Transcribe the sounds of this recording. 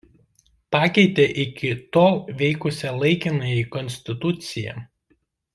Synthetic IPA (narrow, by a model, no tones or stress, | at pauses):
pɑːkʲɛɪt̪ʲeːʔɪkʲɪt̪oːʋʲɛɪkʊsʲɛlˠɐɪkʲɪnɐjikɔnʲsʲt̪ʲɪt̪ʊt̪sʲɪjɛ̰